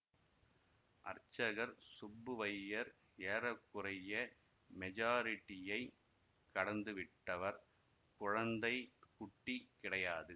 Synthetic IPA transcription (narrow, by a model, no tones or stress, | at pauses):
ʔɐɾt͡ʃːɐɣɐɾsʊbːɯʋɐjːɐɾ | eːɾɐkːʊɾɐjɐ | mɛd͡ʒaːɾɪʈːɪjɐɪ | kɐɽɐnd̪ɯʋɪʈːɐʋɐɾ | kʊɻɐnd̪ɐɪkʊʈːikːɪɽɐjaːðɯ